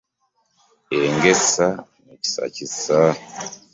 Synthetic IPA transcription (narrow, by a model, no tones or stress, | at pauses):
eŋɡesanuku̥sa̰cisa